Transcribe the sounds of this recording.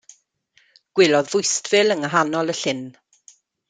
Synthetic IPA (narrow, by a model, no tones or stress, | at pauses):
ɡ̥wɪlˠɔðvʊjstv̥ɪlˠəŋəɦanɔlˠəɬɪn